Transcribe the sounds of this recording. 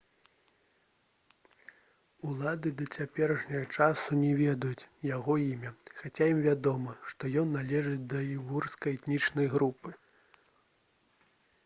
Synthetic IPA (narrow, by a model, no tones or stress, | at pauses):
ulˠad̪ɨd̪ɐt͡sʲapʲɛɾɐʂnʲɐɣɐt͡ʂasunʲɛvʲɛd̪ɐjut͡sʲjaɣɔimʲɐxat͡sʲajimvʲad̪ɔmɐʂt̪ɔjɔnːalʲɛʐɨt͡sʲd̪ɐivurskɐjɛt̪nʲit͡ʂnɐjɣɾupɨ